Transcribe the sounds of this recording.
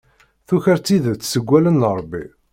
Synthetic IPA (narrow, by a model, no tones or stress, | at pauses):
θuçəɾt͡sːiðət͡sːsəɡʷːælənːəɾˤbːḭ